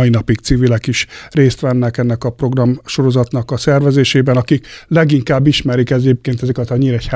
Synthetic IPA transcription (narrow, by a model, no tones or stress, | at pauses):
inɒpik̚t̪siːvilɛkiʃreːst̪ʋɛnːɛkɛnːɛkɒpro̞ɡrɒmʃo̞ɾo̞zɒt̪nɒkɒsɛrvɛzeːʃeːbɛnɒkiklɛɡiŋkaːbːiʃmɛɾikɛɟeːp̚keːnt̪ɛzɛkɛt̪ɒɲːiɾɛch